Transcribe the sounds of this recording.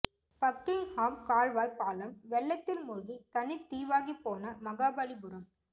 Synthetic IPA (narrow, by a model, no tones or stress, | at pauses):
pɐk̚t̪ɪnhaːmkaːɻʋaːjpːaːlɐmʋɛɭːɐt̪ːɪlmʊɾʊɣit̪ɐnɪt̪ːiːʋaːɣipːoːnɐmɐɣaːbɐlibʊɾɐm